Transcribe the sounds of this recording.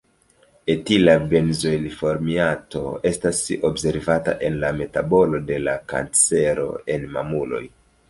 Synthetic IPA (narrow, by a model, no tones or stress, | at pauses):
etilabe̞nzo̞lifo̞ɾmiato̞̰e̞stasiobse̞ɾvata̰ʔe̞nlame̞tabo̞lo̞de̞laka̰nt͡se̞ɾo̞̰e̞nma̰mulo̞̰j